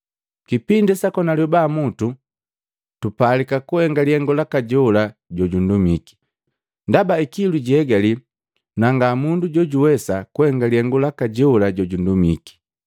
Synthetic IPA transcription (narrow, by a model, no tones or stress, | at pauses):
kipindɛsakɔnalɔbamutu | tupalikakuhɛŋɡaliɛŋɡɔlakaɟɔlaɟɔɟundumiki̥ | ndabaikiluɟiɛɡali | naŋɡamunduɟɔɟuwɛsakuhɛŋɡalihɛŋɡɔlakaɟɔlaɟɔɟundumiki̥